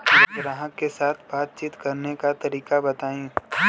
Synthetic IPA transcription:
eɡɾãːɦəkːesaːt̪ʰbaːt̪̚t͡ʃiːt̪kɐɾnekat̪ɐɾiːkabɐt̪aːĩː

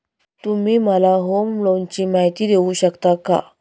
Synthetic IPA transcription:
t̪um̤iːməlaɦomlont͡ɕiːmaɦit̪iːd̪euɕəkt̪aka̰

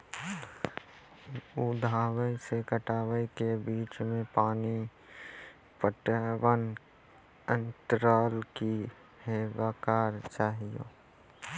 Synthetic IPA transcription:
ud̪ʱaːwəjsekəʈaːʋəjkebiːt͡ʃmẽpaːni | pəʈawən | ə̃nt̪ɾaːlki | heːʋaːkaːɾt͡ʃaːɦio̰ː

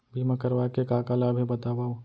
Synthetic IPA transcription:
bʱimə̃kəɾʋakekaːkaːlabʱibɐt̪aːbaːũ

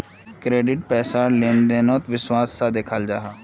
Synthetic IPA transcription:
kɾeːɖɪʈ̚pɛːsaːleːnd̪eːnõːt̪ʋɪswaːsːaːd̪ekʰəld͡ʒaːɦaː

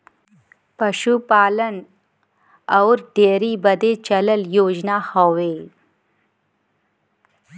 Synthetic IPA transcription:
pɐʃupaːlən | ɐwɾɖeːɾibəd̪et͡ʃɐləljoːd͡ʒnahoʋe

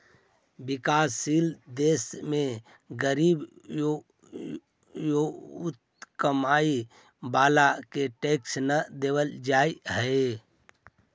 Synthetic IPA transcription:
bɪkaːsiːld̪eːsmẽ | ɡəɾiːb | joʊt̪ | kəmaːi | baːlakeʈeːksnəd̪eːwəld͡ʒaːiɦəe

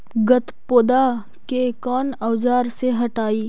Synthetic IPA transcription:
ɡɐt̪poːd̪a | kekɔːnɐwd͡ʒaːɾseɦɐʈaːiː

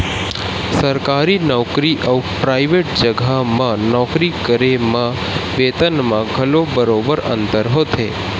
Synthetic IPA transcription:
səɾkaɾinɔkɾiʔəwpɾaiʋeʈ̚d͡ʒəɡʱamãnɔkɾikəɾemã | ʋet̪ənmãɡʱəlobəɾobəɾə̰̃nt̪əɾɦot̪ʰḛ

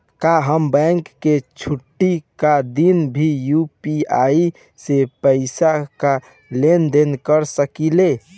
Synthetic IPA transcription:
kaɦəmbɛ̃ŋkːet͡ʃʰuʈːikad̪inbʱijupiai | sepəɪsaka | lend̪enkəɾsəkile

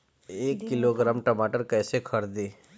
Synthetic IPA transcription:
eːkːɪloɡɾaːmʈɐmaːʈəɾkɛːsekʰɐɾd̪eː

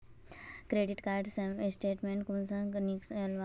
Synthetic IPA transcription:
kɾeɖiʈkaːɾɖsɐmesʈeːʈmẽɳʈkumsɐ̃ŋɡnikslʋa

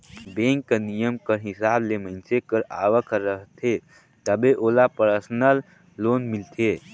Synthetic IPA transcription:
bẽŋkːənijəmkəɾɦisaːbleməɪnt͡ʃekəɾa̰ːʋəkəɾːəɦt̪ʰe | t̪əbeʔolapəɾsənəlː | onmilt̪ʰe

